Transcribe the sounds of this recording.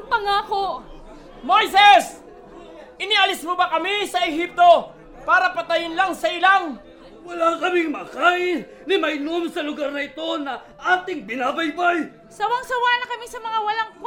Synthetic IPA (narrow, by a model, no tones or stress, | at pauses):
pɐŋaːko | mojsɛs | ʔɪnɪʔɐlɪsmobɐkɐmisɐʔɛɦip̚t̪o̞ | paːɾɐpɐt̪ɐjɪnlaŋsɐʔɪlaŋ | wɐlakɐmɪŋmɐkaʔɪ | nɪmɐjnomsɐlʊɡaɾnɐɪt̪o̞nɐ | ʔaːt̪ɪŋbɪnaːbɐjbaj | sɐwɐŋsɐwanɐkɐmisɐmɐŋawɐlaŋp